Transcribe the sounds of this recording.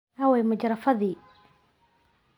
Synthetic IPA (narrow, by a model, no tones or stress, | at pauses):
ɐwɛjmɐd͡ʒɾɐfɐðiː